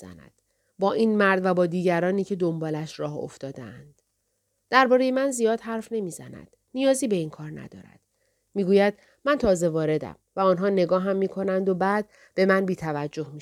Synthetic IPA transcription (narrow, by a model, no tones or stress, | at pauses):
zæ̰næ̰d̪̥ | bɒːʔiːnmæɾd̪væbɒːd̪iːɟæɾɒːniːcʰe̞d̪o̞mbɒːlæʃɾɒːho̰ft̪ɒːd̪eænd̪̥ | d̪̥æɾbɒːɾe̞je̞mænzijɒːd̪̥hæɾfne̞miːzæ̰næ̰d̪̥ | nijɒːziːbe̞iːŋkʰɒːɾnæ̰d̪ɒ̰ːɾæ̰d̪̥ | miːɡuːjæd̪̥ | mænt̪ʰɒːze̞vɒːɾe̞d̪æ̰mvæɒnɦɒːne̞ɡɒːɦæmːiːkʰo̞nænd̪o̞bæːd̪̚ | b̥e̞mænbiːt̪ʰævæd͡ʒːo̞hmiʃ